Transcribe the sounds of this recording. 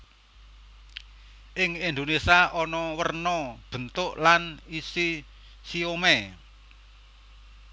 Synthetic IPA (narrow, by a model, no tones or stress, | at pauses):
ʔɪŋind̪onesaʔɔnɔwərnɔb̥ə̤nt̪ʊʔlanisi | siomɛ